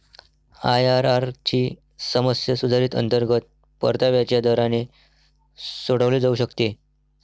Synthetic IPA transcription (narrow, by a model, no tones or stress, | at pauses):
ajaɾaɾt͡ɕiː | səməsjəsud̪ʱaɾiːt̪ə̰nt̪əɾɡət̪̚ | pə̰ɾt̪aʋjat͡ɕjad̪əɾane | soɽəʋleːd͡zauɕəkt̪e